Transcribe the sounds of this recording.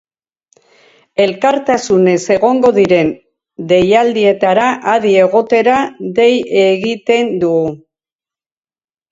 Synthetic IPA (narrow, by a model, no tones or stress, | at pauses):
e̞lkaɾt̪asune̞se̞ɣ̞o̞ŋɡo̞ðiɾe̞n | d̪e̞jald̪ie̞t̪aɾaʔaðie̞ɣo̞t̪e̞ɾaðe̞je̞ɣit̪e̞nd̪uɣu